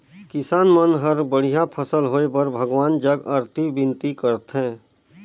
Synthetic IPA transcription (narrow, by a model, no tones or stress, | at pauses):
kɪsaːnmənɦəɾbəɽ̤ijapʰəsəlɦoːepəɾbʱəɡʋaːnd͡ʒəɡəɾt̪ʰibɪ̃nt̪ikəɾt̪ɦɛ̃ː